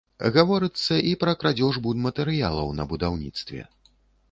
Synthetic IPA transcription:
ɣavɔɾɨt̪sːɐʔipɾɐkɾad͡zʲɔʐbud̪mɐt̪ɛɾɨja̰lˠɐwnɐ̰bud̪awnʲḭt̪st̪vʲɛ̰

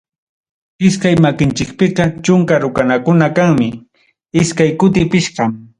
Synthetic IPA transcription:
ɪskajmakɪnt͡ʃɪk̚pɪqɑt͡ʃʊŋkaɾʊkanakʊnakaŋmɪ | ɪskajkʊt̪̬ɪpɪʃqɑm

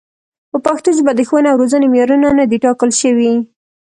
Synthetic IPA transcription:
pəpaxt̪oʒbad̪əxwənawɾozənemjɑɾunanad̪eʈɑkəlʃəwi

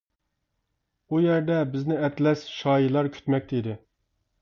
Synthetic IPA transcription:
ujæɾd̪ɛbɪznɪɛt̪lɛsʃɑːjilˠɑɾkʲʰy̥t̪mɛk̚ʲt̪id̪ɪ

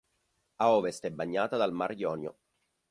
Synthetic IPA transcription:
aɔːvest̪ɛbːaɲːaːt̪ad̪almarjɔːnjo̰

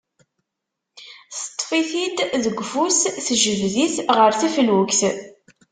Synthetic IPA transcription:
θt̪ˤːfiθid̪ðəɡʷːfusθəʒəvðiθʁəɾθifəlwəkθ

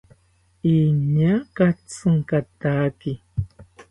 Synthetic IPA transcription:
iɲakat͡sɨŋkat̪aːki

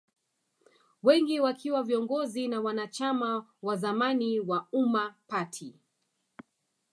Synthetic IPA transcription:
wɛŋɡiwakʰiwaviɔŋɡɔzinawanat͡ʃamawazamaniwaumapatʰi

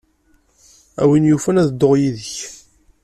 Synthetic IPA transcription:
æ̰winjufænæðəd̪ːoʁjiðəç

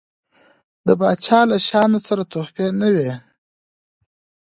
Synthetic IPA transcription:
d̪əbɑt͡ʃʰɑːlaʃɑnasaɾat̪ohpenəwe

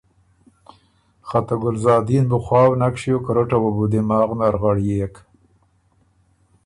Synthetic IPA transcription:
χat̪aɡʊlzɑːd̪inbʊxwɑːwnakʃijokaɾʊʈawabud̪emɑːɣnaɾɣaɽjek

